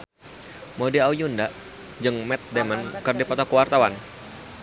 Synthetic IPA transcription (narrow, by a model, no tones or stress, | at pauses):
modiaujunda | d͡ʒɨŋmɛt̪̚dɛmankɨrdipɔt̪ɔkuwart̪awan